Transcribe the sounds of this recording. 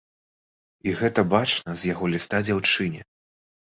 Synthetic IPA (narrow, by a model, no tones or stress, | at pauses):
iɣɛt̪ɐbat͡ʂnɐzʲjaɣɔlʲist̪ad͡zʲawt͡ʂɨnʲɛ